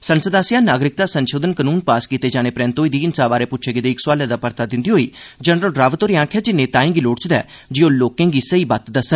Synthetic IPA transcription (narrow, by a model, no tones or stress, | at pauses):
sənsəd̪aːsɪjaːnaːɡɾɪk̚d̪aːsənʃoːd̪ənkənuːnpaːskiːt̪eːd͡ʒaːñeːpɾɛ̃ːnt̪oːiːd̪iːɪnsaːʋaːɾeːpʊtːt͡ʃʰeːɡɪd̪eːɪksaːljad̪aːpəɾt̪aːd̪ɪnd̪iːɦoːiːd͡ʒənɾəlɖɾaːʋət̪oːɾiãːkʰɛːd͡ʒɪnːẽːt̪ãːẽŋɡiːloːɽt͡ʃd̪ɛ̰ː | d͡ʒioːloːkẽːɡiːsəiːbat̪d̪aːsə